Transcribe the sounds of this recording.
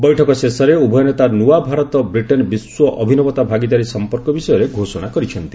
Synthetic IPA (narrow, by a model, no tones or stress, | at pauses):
bɔjʈʰɔkɔsesɔɾeubʱɔjɔnet̪anuwabʱaɾɔt̪ɔbɾiʈɔnbiswɔʔɔbʱinɔbɔt̪abʱaɡid̪aɾisɔmpɔɾkɔbisɔjɔɾeɡʱosɔɽ̃akɔɾit͡ʃʰɔnt̪i̥